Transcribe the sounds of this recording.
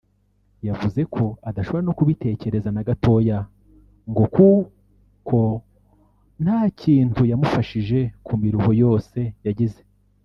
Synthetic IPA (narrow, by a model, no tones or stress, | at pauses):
javuze̞kʰo̞adaʃo̞βoɾano̞kuβite̞ːce̞ɾe̞zanaɡato̞ja | ŋɡo̞ku | kʰo̞ | n̥haːciːntujamufaʃiʒe̞kʰumiɾuhojo̞ːse̞jaɟize̞